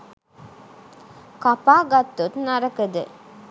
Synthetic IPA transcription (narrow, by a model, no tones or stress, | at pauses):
kɐpaːɡɐt̪ːut̪nɐɾɐkɐd̪ɯ̰